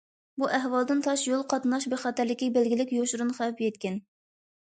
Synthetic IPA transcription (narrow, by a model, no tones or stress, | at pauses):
buʔæɦwɑlˠd̪ɨnt̪ʰɑʃjolˠqʰɑt̪nɑʃbeχɑːt̪æɾlɪkʲibɪlɡʲilɪkʲjoʃɾunχæwpjɛt̪̚kʲɛn